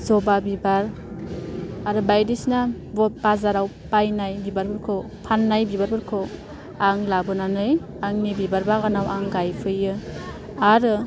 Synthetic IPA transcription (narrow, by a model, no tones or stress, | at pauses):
zɔbabibaɾ | aɾɯbajdisna | bɔt̚bazaɾaw | pajnajbibaɾbɯɾkʰo | pʰanːajbibaɾbɯɾkʰo | aŋlabɯnanɯj | aŋnibibaɾbaɡanawʔaŋɡajpʰɯjɯ | aɾɯ